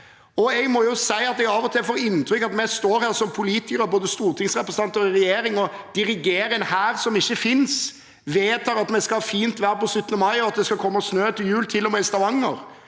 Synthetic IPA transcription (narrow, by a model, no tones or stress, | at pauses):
ɔɛɡmɔjʊsæɪɑt̪ɛɡɑːʋɔt̪ʰɪlfoːɾɪnt̪ɾʏkːɑt̪mɛst̪oːɾhæːɾsɔmpʰʊliːt̪ɪkəɾɔboːd̪əst̪uːɾt̪ʰɪŋsʁɛpɾəsəɑnt̪əɾɪɾɛjeːɾɪŋɔd̪̥ɪɾɪɡeːɾəɛnhæːɾsɔmɪçːəfɪns | ʋeːt̪ʰɑːɾɑt̪mɛskɑfiːnt̪ʋæːɾəpɔsʏt̪ːnəmɑɪɔɑt̪̚d̪ɛskɑkʰɔmːəsnøːt̪ʰɪljʉːlt̪ʰɪlːɔmɛst̪ɑʋɑŋːəɾ